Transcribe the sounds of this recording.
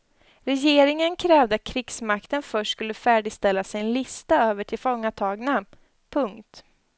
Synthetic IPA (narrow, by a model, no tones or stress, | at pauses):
ɾɛjeːɾɪŋənkʰɾɛːvd̪əat̪̚kʰɾɪɡsmakt̪ənfœʂʈskɵlːəfæːɖɪɡst̪ɛlːasɪnlɪst̪aøːvəʈʰɪlfɔŋːat̪ʰɑːɡna | pʰɵŋkt̪